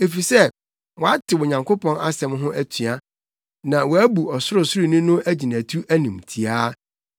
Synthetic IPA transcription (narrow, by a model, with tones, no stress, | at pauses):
e˨fi˨sɛ˦ | wɔ˨a˦tɪ˨wʊ˨ɲã˨ŋko˦pɔ̃˦na˦sɛ̃˨mɦʊ̃˦ʔæ˦tʰɥa˦ | nã˨wɔ˨æ˦bu˨ɔ˨sʊ˦ɾʊ˨sʊ˦ɾi˨nʊ̃˦nʊ̃˦ʔæ˦d͡ʑi˨næ̃˨tʰu˦ʔæ˦nĩ˨mtʰi˨aː˦